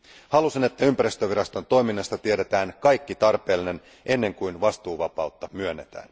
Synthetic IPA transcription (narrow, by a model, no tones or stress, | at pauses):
hɑlusine̞t̪ːæympæɾist̪øʋiɾɑst̪o̞nt̪o̞jminːɑst̪ɑt̪ieɾe̞t̪æːnkɑjkːit̪ɑrpe̞ːlːine̞n | ʔe̞nːe̞ŋkujnʋɑst̪uːʋɑpɑut̪ːɑmyønːe̞t̪æ̰ːn